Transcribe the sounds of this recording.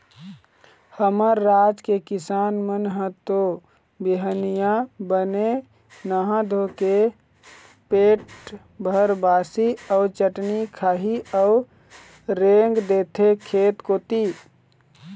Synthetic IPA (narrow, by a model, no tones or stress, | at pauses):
həməɾːad͡ʒkekɪsaːnmənɦət̪o | biɦənijabəne | nəɦãd̪ʱoke | peʈ | bʱəɾbaːsiəʊt͡ʃəʈnikʰaːɦiəʊ | ɾeŋɡd̪et̪ʰekʰeːt̪kot̪i